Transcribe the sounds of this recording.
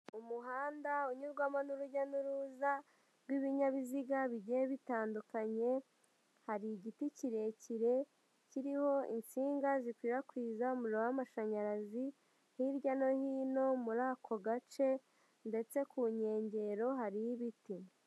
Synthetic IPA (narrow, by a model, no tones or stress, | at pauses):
umuɦaːndauɲuɾɡwamanuɾuɟanuɾuza | ɾɡwiβiɲaβiziɡaβiɟeβitaːndukaɲe̞ | haɾiɟiticiɾe̞ciɾe̞ | ciɾiho̞ḭnt͡siːŋɡazikwiːɾakwiːzaomuɾowamaʃaɲaɾazi | hiɾɟano̞hiːno̞muɾaːkʰo̞ɡat͡ʃe̞ | nde̞t͡se̞kuɲe̞ːɲɟe̞ɾo̞ɦaɾijiβiti